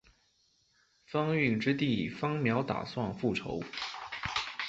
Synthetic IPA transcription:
fɑ˥ŋy˥˩ŋʈ͡ʂɻ̩˥t̪i˥˩i˨˩fɑ˥ŋmjɑ˧˥ʊt̪a̰˨˩swɑ˥˧ŋfu˥˩ʈ͡ʂʰo̰˧˥ʊ

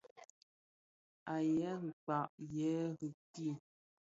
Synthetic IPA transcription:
a˨jɛ˨˦ɣi˨k͡pa˨ʔjɛ˨˦ɣʉ˨ti˦˨

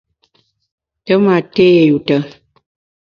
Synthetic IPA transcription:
tə˦ma˨te˦˨ju˨tə˨

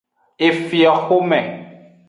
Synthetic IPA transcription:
e˨fi˨a˨xo˦mɛ˨

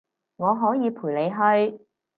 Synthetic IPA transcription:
ŋɔː˨˧ɦɔː˨˥jiː˨˧pʰuː˨˩le˨˧jɦɵ˧ɥ

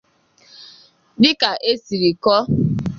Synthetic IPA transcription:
bɪ˦ka˨ʔe˦si˨ɾi˨kɔ˦

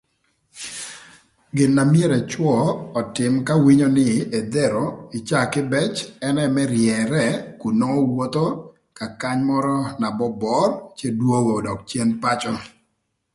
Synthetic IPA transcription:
ɡɪ˨nːa˨mje˦ɾɛ˨t͡ʃwɔ˦˨ɔ˨tɪ˨mka˦wi˦ɲo˦nɪ˦ʔe˨d̪ɛ˦ɾo˨ɪ˨t͡ʃa˦kɪ˦bɛ˦t͡ʃɛ˦nɛ˦mɛ˦ɾjɛ˨ɾɛ˦ku˨nɔ˦wo˦t̪o˦ | ka˨ka˦ɲmɔ˦ɾɔ˦na˨bɔ˦bɔ˦rt͡ʃe˦dwo˦ɡo˨dɔ˨k̚t͡ʃje˦npa˦t͡ʃɔ˦

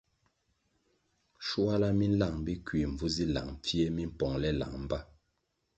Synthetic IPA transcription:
ʃu˦a˦la˦mi˦n̩˦la˨ŋbi˦kwi˨m̩˨vu˦zi˦la̰˨ŋp͡fi˦e˦mi˦m̩˦pɔ˨ŋlɛ˦la̰˨ŋm̩˦ba˦

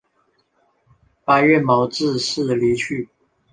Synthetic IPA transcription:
pa˧˦ɪɥɛ˥˩nmɑ˧˥ʊʈ͡ʂɻ̩˥˧ʂ̩˥˩li˧˥t͡ɕʰy˥˨

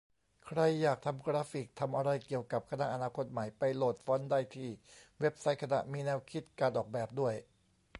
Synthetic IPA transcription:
kʰɾa˧jːaː˨˩k̚t̪ʰa˧mkɾaː˦˥fi˨˩k̚t̪ʰa˧mʔa˧ɾa˧jki˨˩əwka˨˩p̚kʰa˧na˦˥ʔa˧naː˧kʰo˦˥t̪̚ma˩˦jpa˧jloː˨˩t̪̚fɔː˦˥ndaː˥˩jt̪ʰiː˥˩we˦˥p̚sa˦˥jkʰa˧na̰˨˩ʔmiː˧nɛː˧˥wkʰi˦˥t̪̚kaː˧nʔɔː˨˩k̚bɛː˨˩p̚du˥˩əj

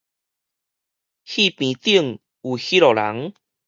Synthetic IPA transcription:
hi˥˧pĩ˨t̪i˥˧˨ŋ | u˨hi˦ɾɔ˨la̰˨˦ŋ

